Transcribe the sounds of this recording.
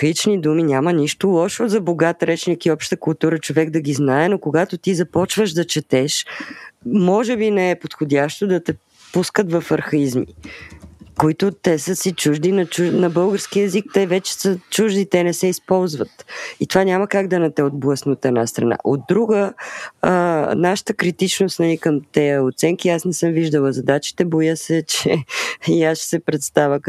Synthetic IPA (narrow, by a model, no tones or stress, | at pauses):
klit͡ʃnid̪uminʲaməniʃt̪olˠɔʃozɐboɡat̪ɾɛt͡ʃnikiɔpʃt̪əkʊlˠt̪uɾət͡ʃovɛɡd̪ɐɡiznaɛnokoɡat̪ot̪izɐpɔt͡ʃvəʒd̪ɐt͡ʃɛt̪ɛʃ | mɔʒɛbinɛɛpot̪xodʲaʃt̪od̪ɐt̪ɛ | puskət̪vɐfɐɾxɐizmḭ | koit̪ʊt̪ɛsəsit͡ʃuʒd̪inɐt͡ʃunɐbɤlˠɡəɾskiɛzik̚t̪ɛvɛt͡ʃɛ̥sət͡ʃuʒd̪it̪ɛnɛsɛispɔlˠzvət̪it̪ovanʲaməkaɡd̪ɐnɐt̪ɛod̪̚blˠəsnot̪ɛdnast̪ɾɐ̰na̰ʔod̪̚ːɾuɡə | naʃə̥t̪əkɾit̪it͡ʃnost̪nɐnikəmt̪ɛjəot̪sɛŋkiasnɛsɤmviʒd̪əlˠəzɐd̪at͡ʃi̥t̪ɛbojəsɛt͡ʃɛiaʃsɛpɾɛt̪st̪avək